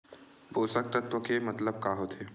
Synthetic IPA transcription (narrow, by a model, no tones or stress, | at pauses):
bʱoːsək̚t̪ət̪wəkemɐt̪ləb̚kaːɦot̪ʰeː